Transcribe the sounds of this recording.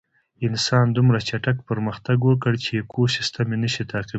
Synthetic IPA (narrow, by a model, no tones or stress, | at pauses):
ɪnsɑnd̪umɾat͡ʃaʈakpəɾməxt̪aɡwək̬əɽt͡ʃekʰosist̪amenəʃit̪ʰɑqi